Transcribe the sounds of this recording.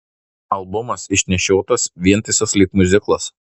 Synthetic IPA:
ɐlˠbʊmɐsɪʃʲnʲɛʃʲoːt̪ɐsʋʲiɛnt̪ɐɪsɐslʲiːpmʊzʲɪklˠɐs

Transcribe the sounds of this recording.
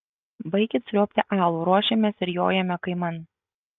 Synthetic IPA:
bɐɪkʲɪt̪sʲɾʲoːpʲt̪ʲɪʔɑːlˠuːɾuɔʃʲɛmʲɛsɪɾjo̰ːjɛmʲɛkɐɪmɐn

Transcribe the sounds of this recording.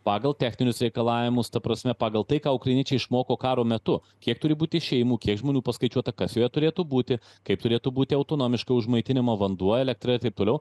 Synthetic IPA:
pɑːɡɐlˠt̪ʲæːxʲnʲɪnʲʊsɾʲɛɪkɐlˠɑːʋʲɪmʊst̪ɐpɾɐsʲmʲɛpɑːɡɐlˠt̪ɐɪkɑːʊkɾɐɪnʲiɛt͡ʃʲɛɪʃmoːkoːkɑːɾoːmʲɛt̪ʊ | kʲiɛk̚t̪ʊɾʲɪbuːt̪ʲɪʃʲɛjmuːkʲiɛkʒmoːnʲuːpɐskɐɪt͡ʃʲuɔt̪ɐkɐsjoːjɛt̪ʊɾʲeːt̪uːbuːt̪ʲɪ | kɐɪp̚t̪ʊɾʲeːt̪uːbuːt̪ʲɪɐʊt̪oːnoːmʲɪʃkɐʊʒmɐɪt̪ʲɪnʲɪmɐʋɐnd̪uɔɛlʲɛk̚t̪ɾɐɪɾt̪ɐɪp̚t̪oːlʲɛʊ

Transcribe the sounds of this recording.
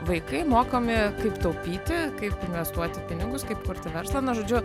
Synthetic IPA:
ʋɐɪkɐɪmoːkomʲɪkɐɪpt̪ɐʊpʲiːt̪ʲɪkɐɪpɪnʲʋʲɛst̪uɔt̪ʲɪpʲɪnʲɪɡʊskɐɪpkʊɾʲt̪ʲɪʋʲɛɾslˠɐnʊʒoːd͡ʒʲʊ

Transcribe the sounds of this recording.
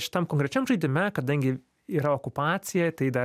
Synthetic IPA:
ʃʲɪ̥t̪ɐmkoːŋkɾʲɛt͡ʃʲɛmʒɐɪd̪ʲɪmʲɛkɐd̪ɐŋʲɡʲɪ | iːɾɐoːkʊpɑːt̪sʲɪjɛt̪ɐɪd̪ɐ

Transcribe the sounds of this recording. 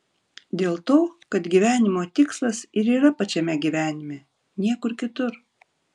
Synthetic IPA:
d̪ʲeːlˠt̪oːkɐt̪ɡʲiʋʲæːnʲɪmoːt̪ʲɪkslˠɐsɪɾiːɾɐpɐt͡ʃʲɛmʲɛɡʲiːʋʲæːnʲɪmʲɛ | nʲiɛkʊɾkʲɪt̪ʊɾ

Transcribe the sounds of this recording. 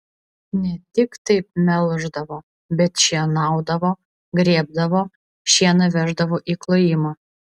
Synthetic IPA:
nʲɛt̪ʲɪkt̪ɐɪp̚mʲɛlˠʒd̪ɐʋoː | bʲɛt̪ʃʲiɛnɑˑʊd̪ɐʋoː | ɡɾʲiɛb̚d̪ɐʋoː | ʃʲiɛnɐʋʲæʒd̪ɐʋoːʔiːklˠojɪmɐː

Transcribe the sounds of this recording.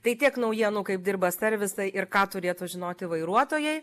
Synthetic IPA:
t̪ɐɪt̪ʲiɛknɐʊjiɛnuːkɐɪp̚d̪ʲɪrbɐsʲɛɾʲʋʲɪsɐɪʔɪrkɑːt̪ʊɾʲeːt̪ʊːʒʲɪnoːt̪ʲɪʋɐɪɾuɔt̪oːjɛɪ

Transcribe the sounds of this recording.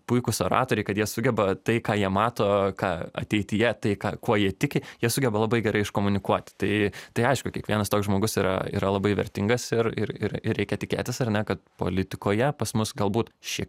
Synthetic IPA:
pʊɪkʊsoːɾɑ̰ːt̪oːɾʲɛɪkɐt̪jiɛsʊɡʲɛbɐt̪ɐɪkɑːjiɛmɑːt̪oːkɑːɐ̰t̪ʲɛɪt̪ʲɪjɛt̪ɐɪkɑːkuɔjiɛt̪ʲɪkʲɪjiɛsʊɡʲɛbɐlˠɐbɐɪɡʲɛɾɐɪɪʃkoːmʊnʲɪkuɔt̪ʲt̪ɐɪt̪ɐɪɐɪʃkʊkʲiɛkʋʲiɛnɐst̪oːkzʒmoːɡʊsiːɾɐ̰ḭːɾɐlˠɐbɐɪʋʲɛ̰rʲt̪ʲɪŋɡɐsɪɾɪɾɪɾɪrɾʲɛɪkʲɛtʲɪkʲḛːt̪ʲɪsɐrnʲɛkɐt̪̚po̰ːlʲɪt̪ʲɪkoːjɛpɐsmʊsɡɐlˠbuːt̪ʃʲik

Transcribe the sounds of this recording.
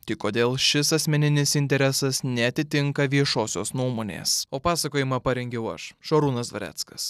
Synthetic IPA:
t̪ʲɪkoːd̪ʲeːlˠʃʲɪsɐsʲmʲɛnʲɪnʲɪsɪnʲt̪ʲɛɾʲɛsɐsnʲɛɐt̪ʲɪt̪ʲɪŋkɐʋʲiɛʃoːsʲoːsnuɔmoːnʲḛːsoːpɑːsɐkoːjɪmɐpɐɾʲɛŋʲɡʲɛʊɐ̰ʃʃoːɾuːnɐsd̪ʋɐ̰ɾʲæ̰ːt̪skɐs

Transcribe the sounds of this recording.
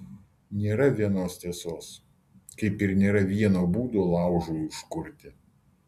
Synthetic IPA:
nʲeːɾɐʋʲiɛnoːst̪ʲeːsoːs | kɐɪpɪɾnʲeːɾɐʋʲiɛnoːbuːd̪oːlˠɑˑʊʒuːɪʃkʊɾʲt̪ʲɪ

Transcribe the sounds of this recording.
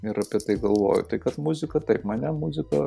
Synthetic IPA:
ɪɾɐpʲiɛt̪ɐɪɡɐlˠʋo̰ːjʊ̰t̪ɐɪkɐt̪mʊzʲɪkɐt̪ɐɪpmɐnʲɛmʊzʲɪkɐ

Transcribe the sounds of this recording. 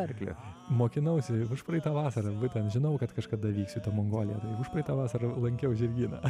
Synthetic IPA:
ɛrʲklʲḛmoːkʲɪnɐʊsʲɪʊʃpɾɐɛɪt̪ɑːʋɑːsɐɾɐʋʊt̪ʲɛnʒʲɪnɐʊkɐt̪kɐʃkɐd̪ɐʋʲiːksʲʊt̪oːmoːŋɡoːlʲɪjɛt̪ɐɪʊʃpɾɐɪt̪ɑːʋɑːsɐɾɐlˠɐŋʲkʲɛʊʒʲɪrʲɡʲiːnɐ̰ː

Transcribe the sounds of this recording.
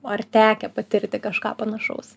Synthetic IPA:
ɐrt̪ʲæːkʲɛpɐt̪ʲɪrʲt̪ʲɪkɐʃkɑ̰ːpɐnɐʃɐ̰ʊs

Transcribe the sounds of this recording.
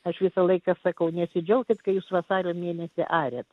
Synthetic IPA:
ɐʃʋʲɪsɐlˠɐɪkɑsɐkɐʊnʲɛsʲɪd͡ʒʲɛʊkʲɪt̪kɐɪjuːsʋɐsɑːɾʲoːmʲeːnʲɛsʲɪʔɑːɾʲeːt̪

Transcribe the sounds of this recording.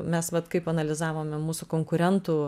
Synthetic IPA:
mʲɛsʋɐt̪kɐɪpɐnɐlʲɪzɑːʋoːmʲɛmuːsʊkoːŋkʊɾʲɛnt̪uː

